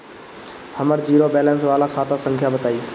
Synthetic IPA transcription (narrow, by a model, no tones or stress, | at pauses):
həməɾd͡ʑiːɾoːbeːlənsʋaːlakʰaːt̪asə̃ŋkʰjaːbət̪aːiː